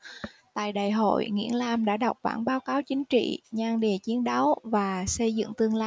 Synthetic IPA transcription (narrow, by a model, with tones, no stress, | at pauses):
t̪a̰ː˧˨jɗaː˨˩jɦo̰˧˨jŋḭ˧˥ənlaː˧mɗa̰ː˧˥ɗa˨˩wk͡p̚ɓa̰ː˧˩nɓaː˨˦wkaː˨˦wt͡ɕï˨˦ŋ̟t͡ɕḭ˧˨ɲaː˧ŋɗi˨˩ət͡ɕi˨˦ənɗa˨˦wvaː˨˩sə˧jzɨ̰˧˨ŋt̪ɨ˧əŋlaː˧